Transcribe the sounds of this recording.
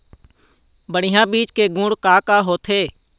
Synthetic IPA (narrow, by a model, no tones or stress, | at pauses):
bəɽɪjãːbiːt͡ʃkeɡʊ̃ːɽkaːkaːɦoːt̪ʰeː